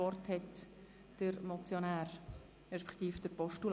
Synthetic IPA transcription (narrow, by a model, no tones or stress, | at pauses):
ɔrthɛt | d̥əɾmɔt͡sjonæːɾ | ʁɛʃpɛ̥χt̪iːfd̥əɾpɔʃtul